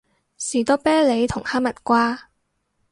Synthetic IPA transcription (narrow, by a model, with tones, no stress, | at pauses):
siː˨˩t̪ɔ˥pɛː˥le˨˧jt̪ʰʊ˨˩ŋhaː˥mɐ˨t̚kʷaː˥